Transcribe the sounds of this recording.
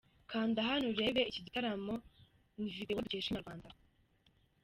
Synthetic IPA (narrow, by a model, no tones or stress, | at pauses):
kʰaːndaɦanuɾe̞ːβeiciɟitaɾamo | nividewaɾɟehʃimaɾɡwaːnda